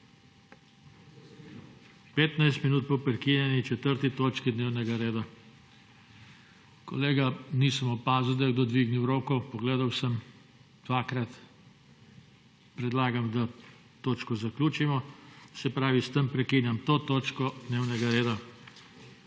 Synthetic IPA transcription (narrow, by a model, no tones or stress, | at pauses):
peːt̪najst̪minuːt̪̚pɔpɾɛkiːnjɛnit͡ʃɛt̪əɾt̪it̪oːt͡ʃkid̪neːwnɛɡaɾeːd̪a | kɔ̰leːɡaniːsəmɔpaːzuwd̪ajd̪ɔd̪ʋiːɡniwɾoːkɔpɔɡleːd̪awsəm | d̪̥ʋaːkɾat̪ | pɾɛd̪laːɡamd̪a | t̪oːt͡ʃkɔzaklʲuːt͡ʃimɔsɛpɾaːʋist̪əmpɾɛkinjamt̪oːt̪oːt͡ʃkɔd̪neːwnɛɡaɾeːd̪a